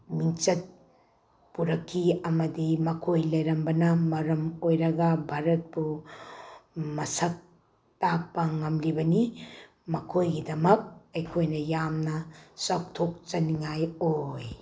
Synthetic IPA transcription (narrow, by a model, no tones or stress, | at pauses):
miŋt͡ʃɐt̚ | puɾɐkʰːiɐmɐdimɐkʰojlɐjɾɐmbɐnɐmɐɾɐmojɾɐɡɐbʱaɾɐt̚bu | mɐsɐk̚ | tak̚pɐŋɐmlibɐni | mɐkʰojɡidɐmɐk̚ɐjkʰojnɐjamnɐsak̚tʰok̚t͡ʃɐniŋajoj